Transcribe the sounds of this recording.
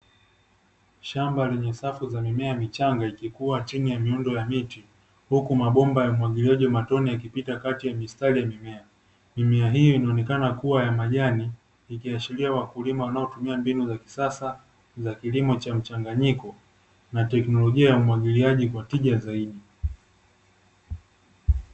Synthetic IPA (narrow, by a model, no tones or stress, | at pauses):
ʃambalɛɲɛsafuzamimɛamit͡ʃaŋɡaikikuwat͡ʃinijamiundɔjamiti | hukumaɓɔmbajaumwaɠiliaʄiamatɔnijak̬ipitakatijamistalijamimɛa | mimɛaɦijɔinaɔnɛkanakuwajamaʄaniː | kiat͡ʃiliawakulimawanaɔtumiambinuzaki̥sasa | zakilimɔt͡ʃam̩t͡ʃaŋɡaɲikɔ | natɛknɔlɔʄiajaumwaɠiliaʄikwatiʄazaiɗi